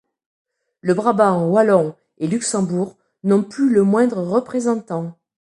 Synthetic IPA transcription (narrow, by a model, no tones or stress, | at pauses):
ləbʁabãwalɔ̃ | elyksɑ̃buʁ | nɔ̃plyləmwɛ̃d̪ʁəʁəpχezɑ̃t̪ɑ̃